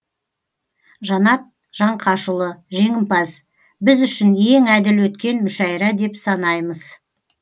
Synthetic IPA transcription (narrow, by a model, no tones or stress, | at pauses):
ʒɑnɑt̪̚ | ʒ̥ɑɴqʰɑʃʊlˠəʒe̞ŋɪmpɑs | bɪzʏʃɪnje̞ŋæd̪ɪlwɵt̪̚kʲe̞nmʏʃɑjɾɑd̪e̞psɑnɑjməz̥